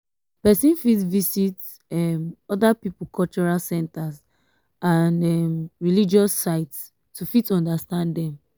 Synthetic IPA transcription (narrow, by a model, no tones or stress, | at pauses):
pɛsĩnfitvisit | ɛmɔdapipukʰɔlt͡ʃɔɹalsɛ̃ntas | andɛmɹilid͡ʒɔsːaɪts | tʰufitɔ̃ndastãnddɛ̃m